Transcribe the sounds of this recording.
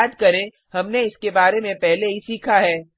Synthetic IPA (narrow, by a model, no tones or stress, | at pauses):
d̪kɐɾẽ | hɐmneɪskebaːɾemẽpɛɦleɦisiːkʰaɦɛː